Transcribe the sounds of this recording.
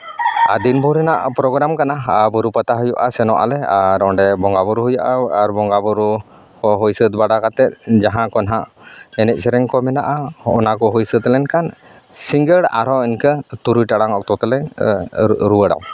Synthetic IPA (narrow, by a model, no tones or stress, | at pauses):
ad̪inbɔɾɛnaʔpɾɔɡɾamkanabɔɾupat̪aɦɔjɔʔasɛnɔʔa̰lɛaɾɔɳɖɛbɔŋɡabɔɾuɦujaʔaaɾbɔŋɡabɔɾu | kɔɦɔjsət̪̚baɖakat̪ɛt̪̚d͡ʒaɦãkɔnɦaʔɛnɛc̪̚ˀsɛɾɛŋkɔmɛnaʔaɔ̰nakɔɦujsət̪lɛnkan | siŋɡəɽa̰ɾɔɛnkət̪uɾujʈaɽaŋɔk̚t̪ɔt̪ɛlɛ | ɾuwəɽa̰w